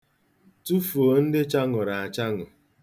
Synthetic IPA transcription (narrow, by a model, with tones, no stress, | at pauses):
tu˦fu˨o˨n̩˦dɪ˦t͡ʃa˦ŋʊ˨ɾa˨a˨t͡ʃa˦ŋʊ˨